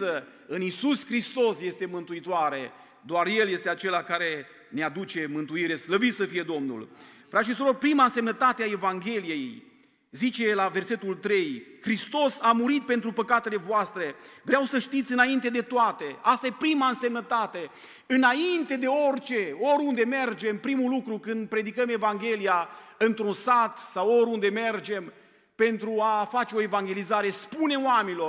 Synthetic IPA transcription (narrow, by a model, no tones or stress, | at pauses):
ə | ɨnisuskɾist̪o̞sje̞st̪e̞mɨnt̪uit̪oaɾe̞ | d̪oarje̞lje̞st̪eat͡ʃe̞lakaɾe̞ | nead̪ut͡ʃe̞mɨnt̪uiɾe̞sləvit̪səfije̞d̪o̞mnṵl | fɾʔat̪ʃ̬isuɾo̞rpɾimaɨnse̞mnət̪at̪eae̞vaŋɡʲe̞lije̞j | zit͡ʃe̞laverse̞t̪ult̪ɾe̞jxɾist̪o̞samuɾit̪̚pe̞nt̪ɾupəkat̪e̞le̞voast̪ɾe̞vɾeawsəʃt̪it̪sʲɨnaint̪e̞d̪e̞t̪oat̪e̞ast̪aje̞pɾimaɨnse̞mnət̪at̪e̞ | ɨnaint̪e̞d̪e̞o̞rʲt͡ʃe̞oɾund̪e̞me̞rd͡ʒe̞mpɾimulukɾukɨnd̪̚pɾe̞d̪ikəme̞vaŋɡʲe̞lijaɨnt̪ɾunsat̪sawoɾʲund̪e̞me̞rd͡ʒe̞m | pe̞nt̪ɾuafat͡ʃeo̞e̞vaŋɡʲe̞lizaɾe̞spune̞oamenilo̞